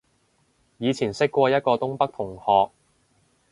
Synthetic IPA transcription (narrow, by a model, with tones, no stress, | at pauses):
jiː˨˧t͡sʰiː˨˩nsɪ˥kːʷɔː˧jɐ˥t̚kɔː˧t̪ʊ˥ŋpɐ˥k̚t̪ʰʊ˨˩ŋhɔː˨k̚